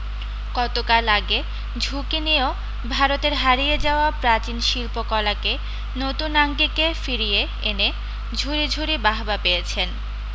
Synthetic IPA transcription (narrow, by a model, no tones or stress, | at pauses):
kɔt̪okalaɡe | d͡ʑʱukinio | bʱaɾot̪eɾɦaɾijed͡ʑaoapɾat͡ɕinʃilpokɔlake | not̪unaŋɡikefiɾije | ene | d͡ʑʱuɾid͡ʑʱuɾibaɦbapejet͡ɕʰen